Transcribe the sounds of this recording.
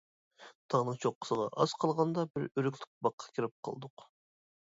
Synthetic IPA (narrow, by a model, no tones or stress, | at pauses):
t̪ʰɑʁnɨŋt͡ʃʰoqʰːə̥sɨʁɑ̰ʔɑz̥qʰɑlˠʁɑnd̪ɑbɪɾyɾykʲlʲyk̚ʲbɑqʰːɑ̥kʲʰiɾɪp̚qʰɑ̰lˠd̪ʊq